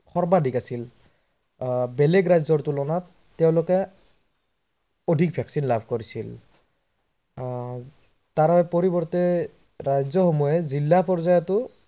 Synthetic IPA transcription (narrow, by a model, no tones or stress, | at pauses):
xʰɔɹbadʱikasil | bɛlɛɡɹajzɔɹtulɔnatː | ɛʊ̃lʊkɛ | odʱik̚bʱaksinlabʱkoɹisil | taɹɔpoɹibɔɹtɛ | ɹajzɔxomɔjɛzilːapɔɹzajɔtʊ